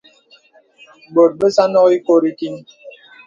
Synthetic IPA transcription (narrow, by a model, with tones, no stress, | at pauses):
bo˨t̚bə˦sa˦nɔ˦ki˦ko˦ɾi˦ki˦n